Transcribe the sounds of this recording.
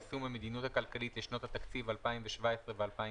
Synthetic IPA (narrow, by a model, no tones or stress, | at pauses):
sumemed̪inut̪hakalkalit̪leʃno̞t̪hat̪akt͡sivalpaimveʃvaesʁevealpai